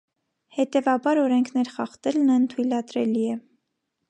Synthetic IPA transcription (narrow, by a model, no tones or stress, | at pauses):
hɛt̪ɛvɑbɑɾɔɾɛŋkʰnɛɾχɑχt̪ɛlnənt̪ʰujlɑt̪ɾɛliɛ